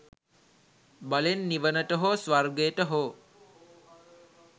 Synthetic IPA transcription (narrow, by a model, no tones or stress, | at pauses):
balenːiʋənəʈəɦoːsʋarɡeʈəɦoː